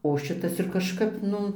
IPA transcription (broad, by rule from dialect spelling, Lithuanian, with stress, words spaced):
oː ˈʃʲɪtɐs ɪr kɐʃˈkɐp ˈnʊ